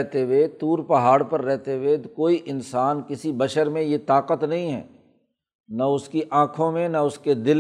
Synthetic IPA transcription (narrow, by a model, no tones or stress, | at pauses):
ɦt̪eʋet̪uːɾpɐɦaːɽpɐɾːɛɦt̪ewekoːiʔɪnsaːnkɪsibɐʃəɾmẽjet̪aːqət̪nɐɦĩɦɛ̰ː | nɐʊskiʔãːkʰõmẽnɐʊsked̪ɪl